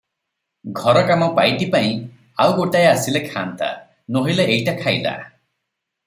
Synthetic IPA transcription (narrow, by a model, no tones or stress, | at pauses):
ɡʱɔɾɔkamɔpajʈipaĩ | awɡoʈajasilekʰa̰nt̪a̰ | noɦileʔejʈakʰajla̰